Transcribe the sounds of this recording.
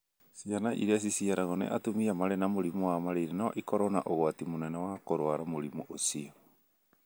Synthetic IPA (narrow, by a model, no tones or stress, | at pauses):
sianaʔḭɾeas̬isiaɾaɣɔnɛ̰ʔatomiamaɾɛnamoɾimowamaɾeiɾenaɔ̰ʔikɔɾɔna̰ʔoɣwatimonɛnawakoɾwaɾamoɾimuʔosiɔ